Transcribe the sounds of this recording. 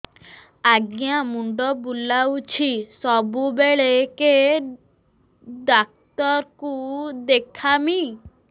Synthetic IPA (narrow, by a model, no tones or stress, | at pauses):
aɡjamuɳɖɔbulawt͡ʃʰisɔbubeɭeke | ɖak̚t̪ɔɾkud̪ekʰami